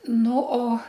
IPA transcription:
ˈnʊ oː

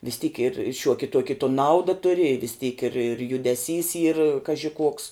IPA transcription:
ʋʲɪs tʲiːk ɪr ˈʃʲuɔkʲɪ ˈtuɔkʲɪ toː ˈnɐʊdɐ ˈtʊrʲɪ ɪ ʋʲɪs tʲiːk ɪr ɪr jʊdʲɛˈsʲiːs iːr ˈkɑːʒʲɪ ˈkuɔks

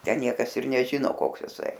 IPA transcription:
ˈtʲɛn ˈnʲiɛkɐs ɪr nʲɛˈʒʲɪnoː ˈkoːks ɪˈsɐɪ

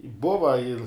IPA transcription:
ˈbʊʋɐ ɪr

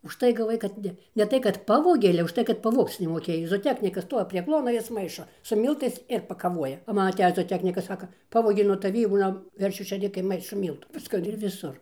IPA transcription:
ʊʃˈtɐɪ ɡɐˈʋɐɪ kɐt ˈnʲɛ nʲɛ ˈtɐɪ kɐt ˈpɑːʋoːɡʲeː ɐlʲɛ ʊʃ ˈtɐɪ kɐt pɐˈʋoːkt͡s nʲɛmoːˈkʲeːj zoːoːˈtʲæːknʲɪkɐs ˈstuɔʋʲɪ pʲrʲiɛ ˈklˠuɔnɐ ˈjɪs ˈmɐɪʃoː sʊ ˈmʲiːlˠtɐɪs ɪr pɐkɐˈʋuɔjɛ oː ˈmɐn ɐˈtʲæːjɪs zoːoːˈtʲæːknʲɪkɐs ˈsɑːkɐ ˈpɑːʋoːɡʲeː nuɔ tɐˈʋʲiː ˈbʊlʲɛm ˈʋʲɛrʲʃʲuː ʃʲeːˈrʲɪkɐɪ ˈmɐɪʃoː ˈmʲiːlˠtuː ˈʋʲɪskɐ ɪr ʋʲɪˈsʊr

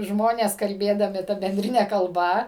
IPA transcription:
ˈʒmoːnʲeːs kɐlʲˈbʲeːdɐmʲɪ ˈtɐ bʲɛnʲˈdʲrʲɪnʲɛ kɐlˠˈbɐ

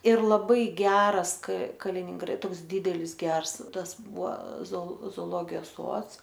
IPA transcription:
ɪr lˠɐˈbɐɪ ˈɡʲæːrɐs k kɐlʲɪnʲɪŋˈɡrɐ ˈtoːks ˈdʲiːdʲɛlʲɪs ˈɡʲɛrs ˈtɐs ˈbʊɐ zoː zoːoːˈlˠoːɡʲɪjoːs ˈsuɔts

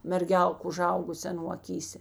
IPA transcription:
mʲɛrʲˈɡʲɛlˠk ʊˈʒɐʊɡʊsʲeː ɐˈnuː ɐˈkʲiːsʲeː

